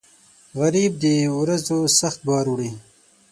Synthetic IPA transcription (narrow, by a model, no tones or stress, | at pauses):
ɣaɾiːb̚d̪əwɾazosaxt̪̚bɑːɾuɽi